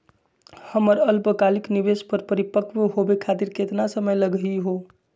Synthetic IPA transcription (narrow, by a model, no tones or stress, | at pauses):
həməɾəlpəkaliknibespəɾpəɾipəkʋɦobekʰat̪iɾket̪nasəməjləɡɦiɦo